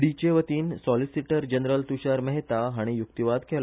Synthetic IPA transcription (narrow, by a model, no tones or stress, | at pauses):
ɽit͡ɕeʋət̪iːnsɔlisiʈəɾd͡ʑənɾəlt̪uɕaɾməɦet̪aɦaɽ̃ijukt̪iʋad̪kʰɛla